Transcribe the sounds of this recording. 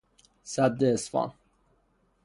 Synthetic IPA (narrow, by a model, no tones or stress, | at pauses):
sæb̚d̪esfɑ̰n